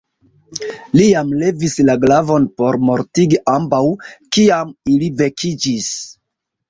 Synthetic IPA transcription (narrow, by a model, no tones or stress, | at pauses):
lijamle̞vislaɡlavo̞npo̞ɾmo̞ɾtiɡiʔambawkiamilive̞kʰid͡ʒis